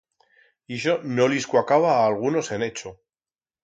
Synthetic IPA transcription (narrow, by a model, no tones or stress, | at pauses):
iʃonoliskwakaβ̞aːlɣ̞uno̞se̞ne̞t͡ʃo